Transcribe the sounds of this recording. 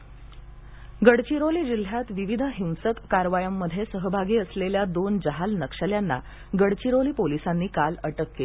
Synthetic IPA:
ɡəɽt͡ɕiɾoliːd͡ʑil̤ːjat̪ʋiʋid̪ʱəɦĩw̃səkːaɾʋajəmːəd̪ʱjesəɦəbʱaɡiːəsleljad̪ond͡ʑəɦalnəkʂəljanːa̰ | ɡəɽt͡ɕiɾoliːpolisanːiːkaləʈəkːeli

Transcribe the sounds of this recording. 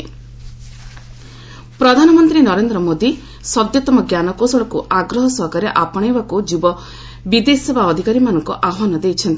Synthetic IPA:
pɾɔd̪ʱanɔmɔnt̪ɾinɔɾend̪ɾɔmod̪i | sɔd̪jɔt̪ɔmɔɡjanɔkosɔɭɔkuʔaɡɾɔɦɔsɔɦɔkaɾeʔapɔɽ̃ebakud͡ʒibɔ | bid̪esebaɔd̪ʱikaɾimanɔŋkuʔaanɔd̪ejt͡ʃʰɔnt̪i

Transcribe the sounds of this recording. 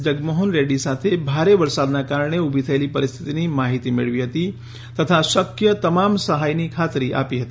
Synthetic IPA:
d͡ʒəɡmɔɦonɾeɖisaːt̪ʰebʱaːɾeʋəɾsaːd̪nakaːɾɽ̃eubʱit̪ʰəjlipəɾɪst̪ʰit̪inimaːɦit̪imɪ̰ɭʋiɦət̪i | t̪ɐt̪ʰasəkjət̪ɐmaːmsəɦaːjnikʰaːt̪ɾiʔa̰ːpiɦət̪i

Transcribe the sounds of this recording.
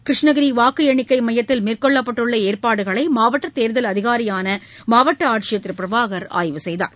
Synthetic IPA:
kɾɪʂɳɐɣɐɾiʋaːkɯjɛɳɪkːɐɪmɐjɐt̪ːɪlmeːrkɔɭːɐpːɐʈːɯɭːɐeːrpaːɽɯɣɐɭɐɪmaːʋɐʈːɐt̪ːeːɾðɐlɐðɪɣaːɾɪjaːnɐmaːʋɐʈːɐaːʈ̚t͡ʃɪjɐt̪ːɾɯpɪɾɐʋaːɣɐɾa̰ːjʋɯsɛjða̰ːɾ

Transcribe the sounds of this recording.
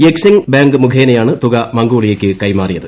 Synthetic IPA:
ɛksɪŋbjaːŋɡɯmʊkʰeːnɐjaːnɯt̪ʊɣɐmɐŋɡoːɭɪjɐkːɯkɐɪmaːrɪjɐðɯ

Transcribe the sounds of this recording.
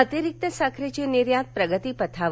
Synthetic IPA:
ət̪iɾik̚t̪əsakʰɾit͡ʃiniɾjat̪̚pɾəɡət̪ipət̪ʰaʋ

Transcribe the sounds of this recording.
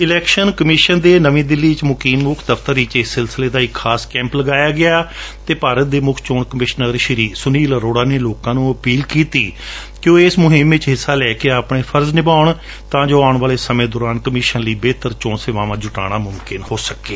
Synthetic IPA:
ɪlɛːkʃənkəmɪʃənd̪eːnəʋẽːd̪ɪlːiːt͡ʃmʊkiːmːʊkʰd̪əft̪əɾiːt͡ʃɪsːɪlsɪleːd̪aːɪkʰːaːskɛ̃ːmpləɡaːjaːɡɪaːt̪eːpaːɾət̪̚d̪eːmʊkʰt͡ʃoːɳkəmɪʃnəɾʃəɾiːsʊniːləɾoːɽaːneːloːkãːnũːəpiːlkiːt̪iː | kjõːɪsmʊɦɪmʋɪt͡ʃɦɪsːaːlɛːkeːaːpɳeːpʰəɾznɪbaːʊɳ | t̪ãːd͡ʒoːaːʊɳʋaːleːsəmẽːd̪oːɾaːnkəmɪːʃənliːbeːt̪əɾt͡ʃoːɳseːʋaːʋãːd͡ʒʊʈa̰ːɽ̃aːmʊmkɪnhoːsəkeː

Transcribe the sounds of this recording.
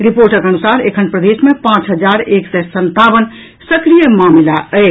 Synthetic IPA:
ɾipoɾʈəkənusaɾekʰənpɾəd̪esmepãt͡ʃɦəd͡ʒaɾeksɛsənt̪abən | səkɾijəmamilaʔəj

